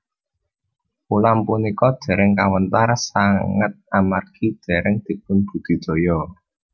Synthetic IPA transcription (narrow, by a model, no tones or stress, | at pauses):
pulampunikɔd̪̥ɛ̤ɾɛŋkawənt̪arsaŋət̪̚amarkʰid̪̥ɛ̤ɾɛŋd̪̥i̤p̚ʊnb̥ṳd̪̥i̤d̪̥o̤jɔ